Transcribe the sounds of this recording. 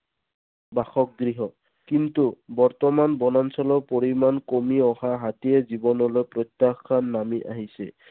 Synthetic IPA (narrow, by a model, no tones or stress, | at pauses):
baxɔk̚ɡɹiɦɔ | kintubɔɹtɔmanbɔnansɔlɔpoɹimankomiɔhaɦatiɛzibɔnɔlojpɹɔt̪ːaxːanːamiʔa̰ɦisɛ̰